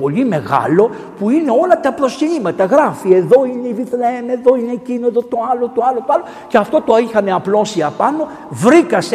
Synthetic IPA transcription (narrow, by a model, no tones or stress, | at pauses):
o̞limeɣɐ̰lo̞ | puine̞o̞lɐt̪ɐpɾo̞scinimɐt̪ɐɣɾɐfie̞ðo̞ine̞iviθneme̞ðo̞ine̞cinoe̞ðo̞t̪o̞ɐlot̪o̞ɐlo̞t̪oɐlo̞ | ce̞ɐft̪o̞t̪oixɐneɐplo̞siɐpɐno̞ | vɾikɐse